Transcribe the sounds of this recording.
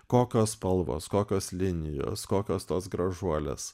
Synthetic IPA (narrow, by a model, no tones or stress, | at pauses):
koːkʲoːspɐlˠʋo̰ːskoːkʲoːslʲɪnʲɪjo̰ːskoːkʲoːst̪oːsɡɾɐʒuɔlʲḛːs